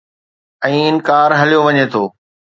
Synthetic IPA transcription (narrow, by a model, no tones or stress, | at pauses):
ɛ̃ːɪnkaːɾɦɐlijoʋɐɲet̪ʰoː